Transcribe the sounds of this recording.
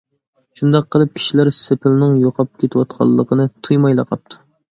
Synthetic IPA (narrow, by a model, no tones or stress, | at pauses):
ʃund̪ɑqʰːəlˠɨp̚kʲʰi̥ʃilæɾsepʰɪlnɪŋjoqʰɑp̚kʲʰet̪ʰɪwɑt̪̚qʰɑ̰lˠːəqʰənɨt̪ʰujmɑjlˠɑqʰɑp̚t̪ʰu̥